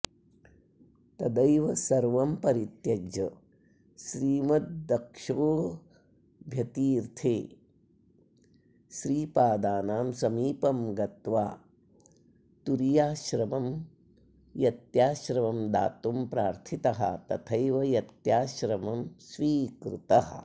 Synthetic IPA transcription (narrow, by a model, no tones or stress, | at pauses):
t̪ɐd̪ɐjʋɐsɐɾʋɐmpɐɾit̪jɐd͡ʒɐ | ʃɾiːmɐt̪̚d̪ɐkʂoː | bʱjɐt̪iːɾt̪ʰeː | ʃɾiːpaːd̪aːnaːmsɐmiːpɐmɡɐt̪ʋaː | t̪uɾjaːʃɾɐmɐm | jɐt̪jaːʃɾɐʋɐmd̪a̰ːt̪umpɾaːɾt̪ʰit̪ɐɦɐ̰t̪ɐt̪ʰɐjʋɐjɐt̪jaːʃɾɐmɐmsʋiːkɾut̪ɐɦɐ